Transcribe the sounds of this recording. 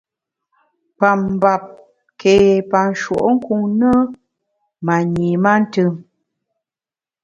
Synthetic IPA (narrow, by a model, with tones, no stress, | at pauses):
pa˨m˨ba˨p̚ | ke˨pa˨n˨ʃwo̰˨ʔŋ̩˦ku˦ŋnə˦ | ma˨ɲi˨ma˦n̩˦tɨ˦˨ŋ